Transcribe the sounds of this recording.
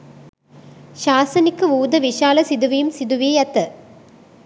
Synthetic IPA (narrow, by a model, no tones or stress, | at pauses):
ɕaːsɐnɪkːɯʋuːd̪ɐʋiʂaːlɐsiðuʋijɯmsiðuʋijɐt̪ːɐ